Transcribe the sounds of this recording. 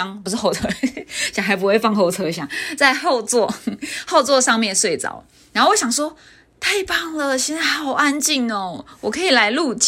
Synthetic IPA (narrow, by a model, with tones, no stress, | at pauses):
ŋpu˧ʂɻ̩˥˧˩o˥˩ʊt͡sʰɤ˥ɕjɑ˨˩ŋxa˧˥ɪp̬u˦˥we˥˧ɪfɑ˥˧ŋxo˥˧ʊt͡sʰɤ˥ɕ̬jɑ˨˦ŋt͡sa˥˧ɪxo˥˧ʊt͡swɔ˥˨hɑ˥˧ʊt͡swɔ˥˧ʂɑ˥˧ŋmjɛ˥˧nswe˥˩ɪt͡sɑ̰˨˩˦ʊ | na˨˦ŋxo˥˩wo˧˥ɕjɑ˨˩ŋʂwɔ˥ | t̪ʰa˥˧ɪpɑ˥˩ŋlə˨ɕ̬jɛ˥˧nt͡sa˥˩ɪhɑ˨˩ʊa˦nt͡ɕi˥˩ŋə˨˩wɔ˨˩kʰɤ˧˥i˨la˧˦ɪlu˥˧t͡ɕ